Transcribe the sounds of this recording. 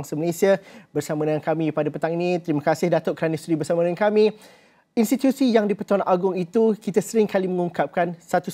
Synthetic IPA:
ŋsəməlesiabərsamãdəŋankamĩpadapət̪aŋinĩt̪əɾimãkasɪhdat̪oʔkɾanistɾibərsamadəŋankamĩ | inst̪it̪usijaŋdipərt̪uanʔaɡʊŋit̪ukit̪asəɾɪŋkalimə̃ŋuŋkap̚kansat̪u

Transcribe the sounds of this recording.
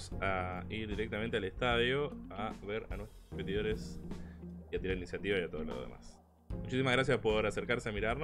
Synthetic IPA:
saiɾðiɾe̞k̚t̪ament̪ealest̪aðjo̞aβeɾa̰nwe̞st̪ɾɾospet̪iðo̞ɾes | iat̪iɾaɾinisjat̪iβajat̪o̞ð̞olo̰ðḛma̰s | mut͡ʃisimaɣɾas̬jaspo̞ɾaseɾkaɾseamiɾaɾn

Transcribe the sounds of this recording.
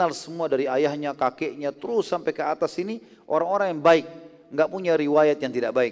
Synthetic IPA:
alsəmuadaɾiajahɲakakɛʔɲat̪əɾʊsːampajkəat̪asini | ʔo̰ɾaŋoɾaŋjaŋbaɪk̚ | ŋɡaʔpuɲaɾiwajat̪̚jaŋt̪idaʔbaɪk

